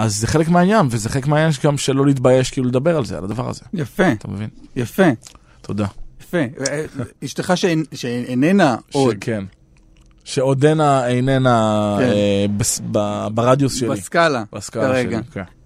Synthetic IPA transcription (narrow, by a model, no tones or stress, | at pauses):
azːeχe̞lekmeajanvezeχelekmeajanʃɡamʃelo̞lit̪baje̞ʃkiːluled̪abe̞ʁalzea̰lad̪avaʁa̰ze̞̰jafet̪amevinjafe | t̪ʰo̞d̪ajafe | iʃteχaʃeʃeenenaod̪kʰen | ʃe̞od̪enaejnenaebesbabaʁad̪josʃeaiskalabaskalʁeeɡaiken